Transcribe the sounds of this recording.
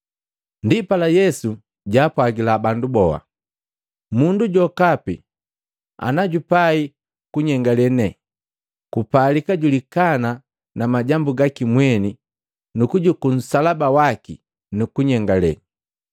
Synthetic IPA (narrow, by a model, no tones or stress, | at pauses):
ndipalajɛsu | ɟaːpwaɡilabandubɔha̰ | munduɟɔkapḭ | a̰naɟupai | kuɲɛŋɡalɛnɛ | kupalikaɟulikana | namaɟambuɡakimwɛni | nukuɟukun̩salabawaki | nukuɲɛŋɡalɛ̰n